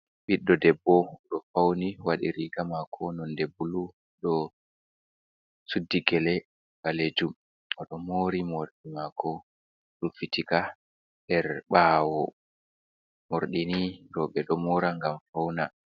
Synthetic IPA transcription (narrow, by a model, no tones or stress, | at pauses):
ɓiɗːɔdɛbːɔɗɔfawniwaɗḭɾiɡamakʰɔnɔndebulu | ɗɔ | sudːiɡɛlɛ | ɡaled͡ʒum | ɔɗɔmoɾimoɾɗimakʰɔ | ɗɔfitika | dɛɾɓaːwɔ | moɾɗiniɾɔɓɛɗɔmɔɾaŋɡamfawna